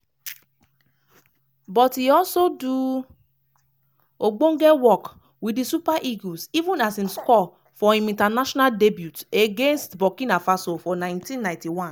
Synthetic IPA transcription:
bɔtiɔsodu | oɡ͡bõŋɡɛwɔk | wiisupaʔiɡosivũnasĩnskɔ | fɔĩmĩntanaʃɔnaldebjuteɡẽnstbɔkĩnafasofɔnãɪ̃ntĩnːãj̃ntiwãn

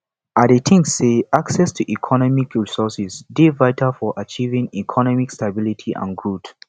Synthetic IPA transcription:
adetʰĩŋseaksɛstʰuʔikʰɔnɔmikɹisɔsisdevaɪtʰalfɔʔat͡ʃivĩŋikʰɔnɔmikstabilitʰiʔã̰nɡɹut

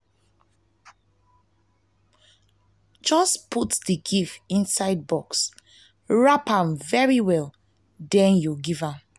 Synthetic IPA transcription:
d͡ʒɔspʰutdiɡifĩnsaɪd̚bɔks | ɹapãmvɛɹiwɛl | dɛ̃njuɡivãm

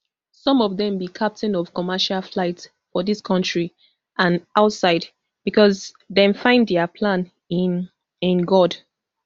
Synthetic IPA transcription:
sɔ̃mɔvðɛ̃mbikʰap̚tʰɛ̃nɔv̥kɔmaʃalflaɪt | fɔðiskʰɔ̃ntɹi | ʔãnʔaʊtsaɪd | b̥ikɔz | ðɛ̃mfãɪ̃nddɛəpʰlãn | ɪ̃nɡɔd

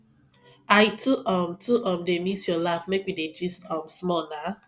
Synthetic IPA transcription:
ajtʰuʔɔmtʰuʔɔmdemisjɔlafmekwided͡ʒistɔmsmɔna

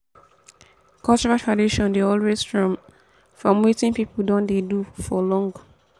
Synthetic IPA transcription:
kʰalt͡ʃɔɹatɹadiʃɔ̃ndeɔlwesfɹɔ̃m | fɹɔ̃mwitĩnpipul̩dɔ̃ndedufɔlɔ̃ŋɡ

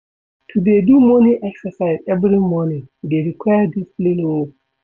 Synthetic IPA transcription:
tʰudedumoniʔɛksasajzɛbɾimoniɡeɾikʰɔjadisplinewo

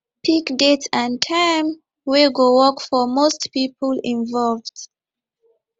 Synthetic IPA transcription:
pʰikdetsãntʰãɪm | weɡowɔkfɔmostpipəlĩnvɔlvd̥

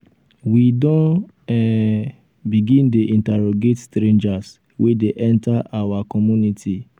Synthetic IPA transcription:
widɔ̃n | ɛ | biɡĩndeʔĩntɛɾoɡetstɾẽnd͡ʒas | wedeʔɛ̃ntaʔawakɔmunitʰi

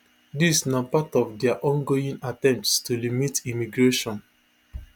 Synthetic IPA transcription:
disnapatɔfdɛaʔɔ̃nɡoĩnatɛ̃mptstulimitimiɡɹeʃɔ̃n

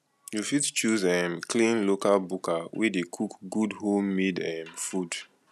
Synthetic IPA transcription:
jufidt͡ʃuzɛmklĩnlokalbukawɛ̰dekʰukɡudholmidɛ̃mfud

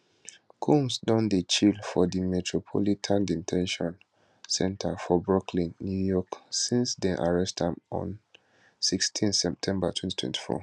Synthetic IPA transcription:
kʰũmsdɔ̃ndət͡ʃilfɔdimɛtʰɹɔpʰɔ̰litʰãndĩntʰɛ̃nʃɔ̃n | sɛ̃ntʰafɔbɹɔkʰlĩnːjujɔksĩnsdɛ̃ʔaɹɛstãmɔ̰̃n | sikstʰĩnθsɛp̚tʰɛ̃mbatʰwɛ̃nti̥tʰwɛ̰̃ntʰi̥fɔ̰

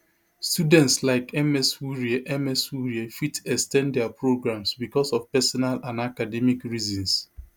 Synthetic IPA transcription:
studɛ̃ntslaɪkɛmɛswuɹiʔɛmɛswuɹiafitɛkstɛ̃ndɛapɹoɡɹãmsbikɔsɔfpɛsɔnalãnakadɛmikɹizɔ̃ns

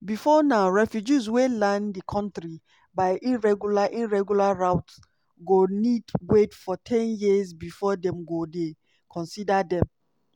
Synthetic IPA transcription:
bifɔnaʊɹɛfjud͡ʒizwelãndikʰɔ̃ntɹi | baɪʔiɹɛɡjulaʔĩɹɛɡjulaɹaʊt | ɡonidwetfɔtʰɛ̃njizbifɔdɛ̃mɡode | kʰɔ̃nsidadɛ̃m

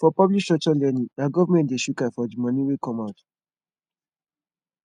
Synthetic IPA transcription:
fɔpɔblik̚tɔt͡ʃɔlɛnĩaɡɔvamɛ̃ntdeʃukafɔdimɔ̃niwekɔ̃maʊt

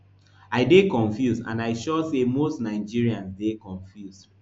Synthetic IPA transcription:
aɪdekɔ̃ɱfjusã̰naɪʃɔsemostnaɪd͡ʒiɹiãnsdekɔ̃ɱfjus

